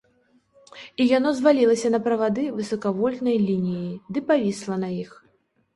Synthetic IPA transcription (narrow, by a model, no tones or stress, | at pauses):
ijanɔzvalʲilˠɐsʲɐnɐpɾɐvad̪ɨvɨsɐkavɔlʲnɐjlʲinʲijid̪ɨpavʲislˠɐnɐjix